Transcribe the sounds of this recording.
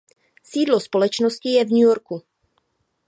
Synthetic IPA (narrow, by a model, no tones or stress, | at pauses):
siːdlo̞spo̞lɛt͡ʃnoscɪjɛvɲujo̞ɾku